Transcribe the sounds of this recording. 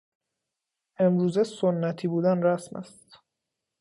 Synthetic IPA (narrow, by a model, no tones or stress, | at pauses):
ʔe̞mɾuːzesonːæt̪ʰiːbuːd̪ænræsmæ̰st̪